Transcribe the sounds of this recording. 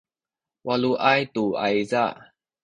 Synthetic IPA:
waluʔajt̪ua̰jza

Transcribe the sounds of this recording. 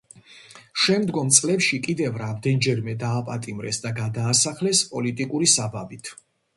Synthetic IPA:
ʃɛmd̪ɡɔmt̪sʼlɛpʃikʼid̪ɛvɾamd̪ɛnd͡ʒɛɾmɛd̪aːpʼat̪ʼimɾɛsd̪aɡad̪aːsaχlɛspʼɔlit̪ʼikʼuɾisababit̪ʰ

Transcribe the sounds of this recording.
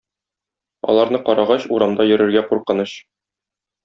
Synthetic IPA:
ɒ̰lˠɑɾnɤqɒɾɑʁɑɕuɾɑmd̪ɑjɵ̆ɾɘ̆ɾɡæquɾqɤ̆nɤɕ

